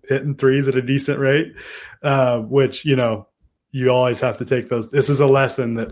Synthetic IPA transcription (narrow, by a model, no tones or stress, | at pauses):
hɪʔn̩θɹizɨɾɨdisɨ̃nʔɹeɪt̚ʌ̃mwɪt͡ʃjɨñoʊ | jɨɔlˠwiz̥hæftɨtʰeɪk̚ðoʊzðɪsɨzəlɛsɨ̃nðɨt̚